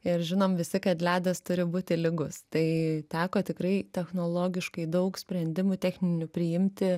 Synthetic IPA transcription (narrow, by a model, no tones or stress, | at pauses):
ɪɾʒʲɪnoːmʋʲɪsʲɪkɐt̪lʲæːd̪ʲɐst̪ʊɾʲɪbuːt̪ʲɪlʲɪɡʊst̪ɐɪt̪ʲæːkoːt̪ʲɪkɾɐɪt̪ʲɛxnoːlˠoːɡʲɪʃkɐɪd̪ɐʊksʲpʲɾʲɛnʲd̪ʲɪmʊt̪ʲæxʲnʲɪnʲʊpʲɾʲɪjɪmʲt̪ʲɪ